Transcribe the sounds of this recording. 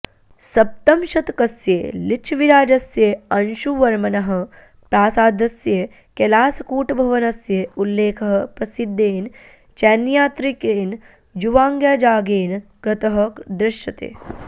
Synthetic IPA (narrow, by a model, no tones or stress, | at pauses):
sɐp̚t̪ɐmʃɐt̪kɐsjḛːlit͡ʃʰʋiɾaːd͡ʒɐsjeɐnʃuʋɐɾmɐnɐɦɐ̆ | pɾaːsaːd̪ɐsje | kelaːsɐkuːʈɐbʱɐʋɐnɐsjeulːeːkʰɐɦɐ̆pɾɐsid̪ʱːeːn | t͡ʃɛːnjaːt̪ɾikeːn | d͡ʒuʋaːŋɡjaːd͡ʒaːɡeːnkɾɐt̪ɐɦɐ̆d̪ɾɪʃjɐt̪ḛː